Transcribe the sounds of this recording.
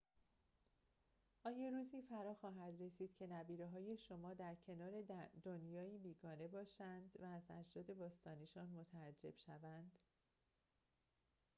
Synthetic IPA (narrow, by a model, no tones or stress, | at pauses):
ʔɒːjɒːɾuːziːfæɾɒːxɒːɦæd̪re̞siːd̪̥cʰe̞næbiːɾeɦɒːje̞ʃo̞mɒːd̪æɾcʰe̞nɒːɾe̞d̪o̞njɒːiːbiːɡɒːne̞bɒːʃænd̪væːzæ̰d͡ʒd̪ɒːd̪e̞bɒːst̪ɒːniʃɒːnmo̞t̪ʰææd͡ʒːe̞̰b̥ʃævænd̪̥